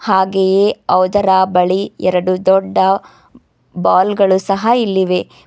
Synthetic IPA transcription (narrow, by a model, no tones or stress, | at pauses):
haːɡejeɐwd̪ɐɾaːbɐɭiɛɾɐɽud̪ɔɖːɐ | baːlɡɐɭusɐɦɐilːiʋe̞